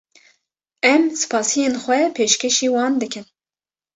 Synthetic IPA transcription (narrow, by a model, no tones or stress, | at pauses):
ɛmsɨ̥pʰɑːsijeːnxʷɛpʰeːʃkʰʲeʃiːwɑːnd̪ɨkʰɨn